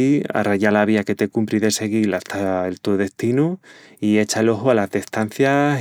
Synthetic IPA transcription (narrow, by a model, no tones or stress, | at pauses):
a̰raɲalaβ̞iake̞t̪e̞kumpɾiðe̞se̞ɣ̞ilat̪ʰaelt̪uðe̞st̪inu | ie̞t͡ʃaelo̞ɦoalazðest̪an̟θjas